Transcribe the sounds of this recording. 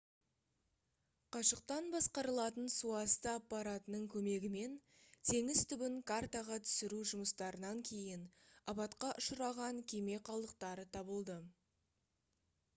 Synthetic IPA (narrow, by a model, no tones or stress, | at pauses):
qʰɑʃəq̚t̪ɑnbɑsqɑɾəlˠɑt̪ənsuɑst̪əapːɑɾat̪ənəɴkʲʰɵme̞ɡʲɪme̞n | t̪ʰe̞ŋɪzt̪ʰʏbɪŋkʰart̪aʁɑt̪ʰʏ̥sɪɾuʒʊməst̪ɑɾənɑŋkʲʰe̞jɪnɑbɑt̪qɑʔʊʃəɾɑʁɑŋkʲʰe̞me̞qʰɑlˠd̪əq̚t̪ɑɾət̪ʰɑbəlˠd̪ə